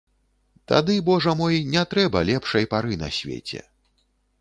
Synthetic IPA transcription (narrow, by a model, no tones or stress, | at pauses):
t̪a̰d̪ɨbɔʐɐmɔjnʲɛt̪ɾɛbɐlʲɛpʂɐjpaɾɨnɐ̰sʲvʲḛt͡sʲɛ̰